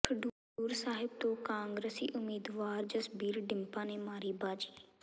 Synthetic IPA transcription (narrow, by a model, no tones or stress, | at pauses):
kʰəɖu | uːɾsaːɦɪb̚t̪õːkãːŋɡɾəsiːʔʊmiːd̪ʋaːɾd͡ʒəsbiːɾɖɪmpãːneːmaːɾiːbaːd͡ʒiː